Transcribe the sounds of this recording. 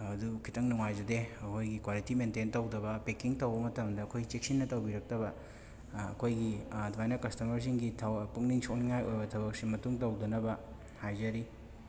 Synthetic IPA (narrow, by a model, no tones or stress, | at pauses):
ɐdukʰi̥tʰɐŋnuŋajzɐdeɐkʰojɡikwalitimententɐwdɐbɐpekiŋtɐwbɐmɐtɐmdɐːkʰojɡit͡ʃek̚sinːɐtɐwbiɾɐk̚tɐbɐ̰ː | kʰojɡidwajnɐkɐstɐmɐɾz̬iŋɡitʰawpuŋniŋsonŋajʔojbɐtʰɐβɐk̚simɐtuŋtɐwdɐnɐbɐ | hajzɐɾi